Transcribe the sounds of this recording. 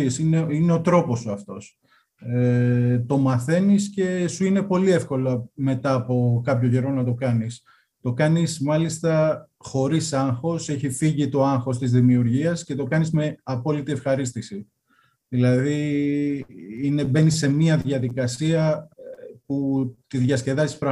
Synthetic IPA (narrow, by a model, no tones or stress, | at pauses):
isineine̞o̞t̪ɾo̞po̞soɐft̪o̞s | et̪o̞mɐθe̞nisce̞suine̞po̞liefko̞lɐme̞t̪ɐːpo̞kɐpçoʝe̞ɾo̞nɐt̪o̞kɐnis | t̪o̞kɐnismɐlist̪ɐ | xo̞ɾisɐŋxo̞se̞çifiʝit̪o̞ɐŋxo̞st̪izðimiuɾʝiɐsce̞t̪o̞kɐnizme̞ɐpo̞lit̪ie̞fxɐɾist̪isi | ðilɐði | ine̞be̞nisːe̞miɐðʝɐðikɐsiɐ | put̪iðʝɐsce̞ðɐst̪i̥spɾɐ